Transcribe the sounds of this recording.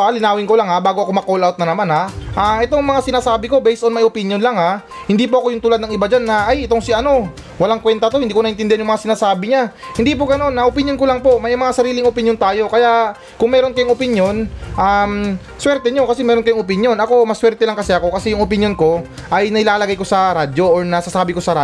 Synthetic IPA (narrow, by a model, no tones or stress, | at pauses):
alɪnaːwɪŋko̞laŋhabaːɡoɐko̞mɐkolʔawt̪nɐnɐmanhaʔaʔɛt̪oŋmɐŋasɪnaːsaːbɪko̞bɛjsʔonmɐjopɪnjonlaŋha | hɪnd̪iːpoɐko̞jʊŋt̪ʊlad̪nɐŋʔɪbad͡ʒanːɐʔajʔɛt̪o̞ŋsiʔɐno̞ | wɐlaŋkwɛnt̪ɐt̪o̞hɪnd̪iːkoɐʔɪnt̪ɪnd̪ɪanjʊŋmɐŋasɪnaːsaːbɪɲahɪnd̪ipoɡɐno̞nːɐʔopɪnjo̞nkolaŋpo̞ʔmɐjmɐŋasɐɾiːlɪŋʔopɪnjo̞nt̪aːjo̞kɐjaʔ | kʊŋmɛːɾo̞nkɐjʊŋʔopɪnjo̞nʔam | swɛɾt̪ɛɲokɐsɛmɛːɾonkɐjʊŋʔop̬ɪnjo̞nɐko̞mɐswɛɾt̪ɛlɐŋkɐsɛʔɐko̞kɐsɛjʊŋopɪnjo̞nko̞ | ʔɐjnɐhɪlaːlɐɡajko̞sɐɾaːd̪o̞oɹnɐsasaːbɪko̞sɐɾa